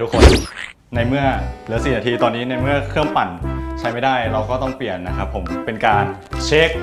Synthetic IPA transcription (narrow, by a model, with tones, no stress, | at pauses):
tʰu˦˥kʰːo˧n | na˧jmɯ˥˩ɐlɯ˩˦si˨˩naː˧t̪ʰiː˧t̪ɔː˧nːiː˦˥na˧jmɯ˥˩ɐkʰɯ˥˩əmpa˨˩nt͡ɕʰa˦˥jma˥˩jdaː˥˩jɾa˧wkɔː˥˩t̪ɔ˥˩ŋpli˨˩ənːa˦˥kʰa˦˥pʰːo˩˦mpe˧nkaː˧n | t͡ɕʰe˦˥k̚